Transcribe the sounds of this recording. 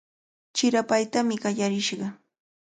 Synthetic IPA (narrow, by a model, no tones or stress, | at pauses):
t͡ʃɪɾapajt̪amɪɢɑʎaɾɪʃɢɑ